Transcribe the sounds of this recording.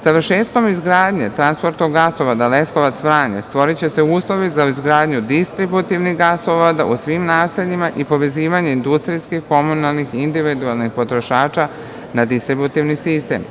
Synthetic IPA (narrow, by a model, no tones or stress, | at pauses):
saʋr̩ʃe̞ːt̪ko̞mizɡɾaːd̪ɲe̞t̪ɾanspo̞ɾt̪noɡːasoʋad̪ale̞skoʋat̪sʋɾaːɲest̪ʋo̞ɾit͡ɕe̞se̞uːslˠo̞ʋizaizɡɾaːd̪ɲud̪ist̪ɾibut̪iʋniɣɡasoʋad̪a̰ʔusʋimnaːseʎimaʔipo̞ʋe̞ziːʋaɲe̞ind̪ust̪ɾiskixko̞munalnixind̪iʋid̪ualˠnixpo̞t̪ɾo̞ʃaːt͡ʃa | nad̪ist̪ɾibut̪iʋnisist̪e̞̰ːm